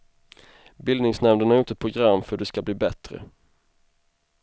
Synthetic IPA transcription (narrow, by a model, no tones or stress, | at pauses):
bɪld̪nɪŋsnɛmd̪ənaɾjut̪ɛt̪̚pʰɾʊɡɾamːfœɖɛskabliːbɛt̪ɾə̰